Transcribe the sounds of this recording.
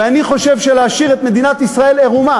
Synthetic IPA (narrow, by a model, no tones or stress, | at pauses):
eaniχo̞ʃe̞vʃeleaʃiʁet̪med̪inat̪isʁae̞leʁuma